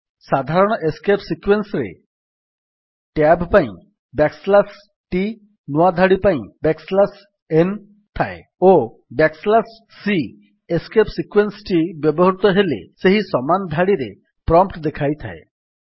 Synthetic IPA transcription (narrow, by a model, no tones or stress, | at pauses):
sad̪ʱaɾɔɽ̃ɔʔeskepsikwensɾḛ | ʈabpaĩ | bakslas | ʈi | nuwad̪ʱaɽipaĩbekslas | en | t̪ʰae | o | bakslasː | i | eskepsikwensʈibjɔbɔɦɾut̪ɔɦelḛseɦisɔmand̪ʱaɽiɾḛ | pɾɔmpʈd̪ekʰajt̪ʰa̰e